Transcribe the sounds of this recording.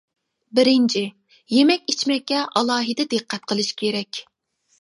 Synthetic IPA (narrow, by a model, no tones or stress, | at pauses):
bɪɾɪnt͡ʃʰɪ | jemɛkʲit͡ʃʰmɛkʲːɛʔɑlˠɑːɦɨd̪ɛd̪ɨqʰːɛt̪̚qʰəlˠɨʃkʲʰeɾɛkʲ